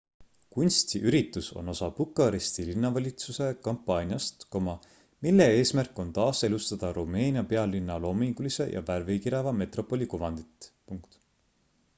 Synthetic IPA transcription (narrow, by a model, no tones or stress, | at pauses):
kunʲst̪iʔyɾit̪ːˑuso̞̰no̞sɑpukːˑɑɾist̪ilinːɑvɑlʲit̪suse̞kɑmpːˑɑːnʲjɑst̪ko̞mɑ | milːe̞e̞ːsmærkːˑo̞nt̪ɑːse̞lust̪ɑd̪̥ɑɾume̞ːnʲiɑpe̞ɑlːinːɑlo̞ːmiŋɡulise̞̰jʔɑ̰værvikiɾevɑme̞t̪ro̞pːˑo̞lʲikuvɑnd̪̥it̪ˑpuŋkt̪